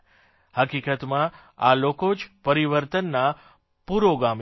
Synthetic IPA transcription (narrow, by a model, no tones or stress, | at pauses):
həkikət̪mã | a̰lokod͡ʒpəɾiʋəɾt̪ənːa | puɾoɡam